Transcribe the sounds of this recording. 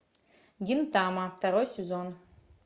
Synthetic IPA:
ɡʲint̪aːmat̪aɾojsʲezon

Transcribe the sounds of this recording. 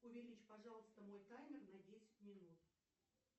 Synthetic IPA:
ʊvʲɪɾʲit͡ɕpɐʐɑlˠəst̪əmo̞jkamʲɪrnɐdʲesʲɪ̥tʲmʲɪnut̪

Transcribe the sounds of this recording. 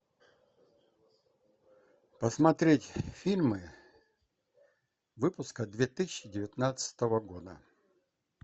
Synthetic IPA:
pəsmɐt̪ɾʲetʲfʲilʲmɨ | vɨpʊskəd̪vʲet̪ɨsʲɪɕːɪdʲɪvʲɪt̪nat̪sə̥t̪əvəɡo̞d̪ə̰

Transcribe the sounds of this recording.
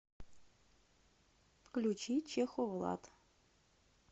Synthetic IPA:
fklʲut͡ɕit͡ɕexovə̆lˠɑ̰t̪

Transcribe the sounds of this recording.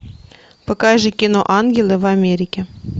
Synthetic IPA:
pɤ̆kɑjʒɘ̆kʲinoʔɑnɡʲelʲˠevɑmʲeɾʲikʲe

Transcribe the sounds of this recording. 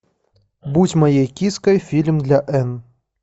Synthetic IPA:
but͡sʲmajɛjkʲiskɐjfʲilʲmd̪lʲɐʔɛn

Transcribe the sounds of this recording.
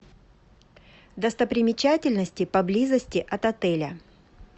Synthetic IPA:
d̪əst̪əpɾʲɪmʲɪt͡ɕatʲɪlʲnəsʲtʲɪpɐblʲizəsʲtʲɪʔɐt̪ɐt̪ɛlʲə

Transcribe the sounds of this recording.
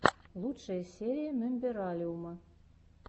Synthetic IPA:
lˠutʂəjəsʲeɾʲijəmʲɘmʲbʲeɾɑlʲiumɤ

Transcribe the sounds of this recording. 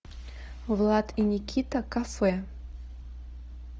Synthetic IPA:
vlˠat̪ʰinʲikʲʰit̪akafɛ

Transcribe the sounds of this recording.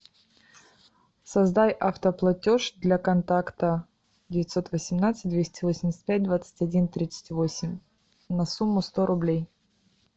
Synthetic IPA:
sɐzd̪ajʔɐft̪əplˠɐtʲo̞ʂd̪lʲɐkɐnt̪akt̪ə | dʲɪvʲɪt̪ʲso̞t̪vəsʲɪmnat̪sɨ̥t̚ʲd̪vʲesʲtʲɪvosʲɪmʲɪsʲt̪̚ʲpʲæt̚ʲd̪vat̪sɨ̥tʲɐdʲint̪ɾʲit̪sɨ̥tʲvo̞sʲɪmʲ | nɐsumːʊst̪o̞ɾʔʊblʲej

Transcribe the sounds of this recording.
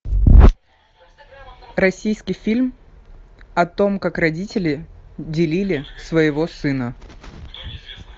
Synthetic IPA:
ɾɐsʲijskʲɪjfʲilʲm | ɐt̪o̞mkakrɐdʲitʲɪlʲɪdʲɪlʲilʲɪsvəjɪvo̞sɨnə

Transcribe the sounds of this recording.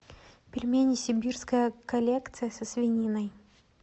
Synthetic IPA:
pʲɪlʲmʲenʲɪsʲɪbʲirskəjəkɐlʲekt̪sɨjəsəsvʲɪnʲinəj

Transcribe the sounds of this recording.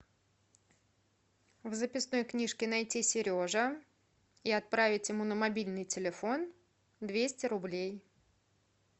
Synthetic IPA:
vzəpʲɪsno̞jknʲiʂkʲɪnɐjtʲisʲɪɾʲo̞ʐə | iɐt̪̚pɾavʲɪtʲjɪmunəmɐbʲilʲnɨjtʲɪlʲɪfo̞n | d̪vʲesʲtʲɪɾʊblʲej

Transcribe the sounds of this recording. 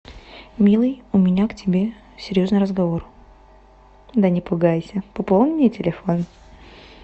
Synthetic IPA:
mʲilˠɨjʊmʲɪnʲaktʲɪbʲe̞ | sʲɪɾʲjo̞znɨjɾəzɡɐvo̞r | d̪ənʲɪpʊɡajsʲəpɐpolˠnʲɪmnʲɪtʲɪlʲɪfo̞n

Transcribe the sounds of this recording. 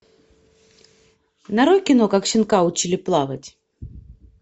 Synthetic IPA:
nɐɾojkʲɪnokakɕɪnkaʊt͡ɕilʲɪplˠavətʲ

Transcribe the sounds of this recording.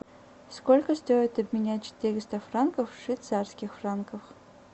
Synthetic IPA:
skolʲkəst̪o̞ɪt̪ɐbmʲɪnʲæt̚ʲt͡ɕt̪ʲeɾʲɪst̪əfrankəfʂit̪sarskʲɪxfrankəf

